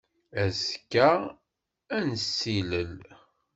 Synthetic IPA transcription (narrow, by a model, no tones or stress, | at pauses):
æzkːæ | ænəsːiləl